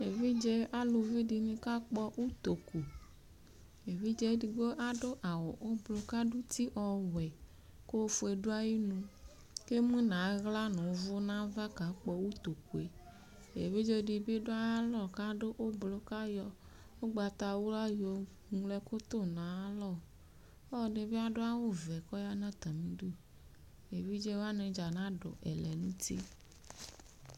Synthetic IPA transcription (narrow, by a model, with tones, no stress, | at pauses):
e˨vi˦d͡ʒɛ˦a˦lu˨vi˦di˨nĩ˦ka˦k͡pɔ˦wu˦t̪o˨ku˨ | e˨vi˦d͡ʒɛ˦di˨ɡ͡bo˦ʔa˦ɖo˦ʔa˨wɔ˨ʔo˦blo˨ka˦ɖu˦t̪i˦ʔɔ˨wɛ˨ | ko˦fo˦e˨ɖo˦a˦ji˦nũ˨ | ke˦mũ˦nã˨˦ɣla˦nɔ̃˨˦vʊ˦nã˦va˦ka˨k͡pɔ˨wu˦t̪o˨ku˨e˨ | ḛ˨vi˦d͡ʒe˦ɖi˨be˦ɖo˦a˦a˦lɔ˦˨ka˦ɖe˦ʔo˦blɔ˦ka˦jɔ˦ | wo˦ɡ͡ba˨t̪a˨wo˦la˦jɔ˨ | ŋ̃˨˦lɛ˦ko˦t̪o˦nɔ̃˨a˦lɔ˦˨ | ɔ˦˨ne˨be˦a˦ɖo˦a˦wo˦vɛ˨kɔ˦ja˦nã˦t̪a˨mĩ˦ɖu˦˨ | e˨vi˦d͡ʒe˦wa˦nẽ˨d͡ʒa˨nã˦ɖɔ̰˨ʔɛ̰˨lɛ˨nũ˦tḭ˦